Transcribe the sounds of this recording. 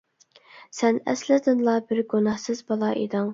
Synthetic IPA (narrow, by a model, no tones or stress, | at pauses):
sɛnɛ̰slɪd̪ɨnlˠɑbɪɾɡunɑhsɨzbɑlˠɑʔḛd̪ɑŋ